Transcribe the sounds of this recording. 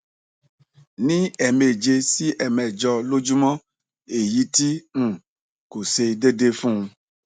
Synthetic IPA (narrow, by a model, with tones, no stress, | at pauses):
nĩ˦ɛ˨me˨d͡ʒe˧si˦ʔɛ˨mɛ˨d͡ʒɔ˧lo˦d͡ʒu˦mɔ̃˦ | e˨ji˦ti˦ŋ̩̃˨ | ko˨se˧de˦de˦fũ˦ũ˧